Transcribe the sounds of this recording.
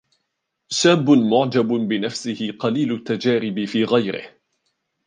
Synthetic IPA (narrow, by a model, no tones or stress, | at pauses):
ʃaːbʊmʊʕd͡ʒabbɪnafsɪhɪqɑliːlʊt̪ːad͡ʒaːɾɪbɪfiːɣajɾɪ̰h